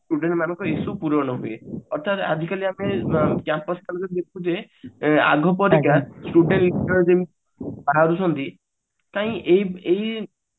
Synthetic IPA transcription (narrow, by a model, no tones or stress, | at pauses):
sʈuɖeɳʈmanɔ̃ŋkɔisupuɾɔɽ̃ɔɦueɔɾt̪ʰat̪a̰d͡ʒʱikaliamekjampɔskalɔkɔd̪ekʰud͡ʒe | a̰ɡʱɔpɔɾikasʈuɖeɳʈlisʈɔɾd͡ʒem | baɦaɾusʰɔnt̪i | t̪aɦĩʔejej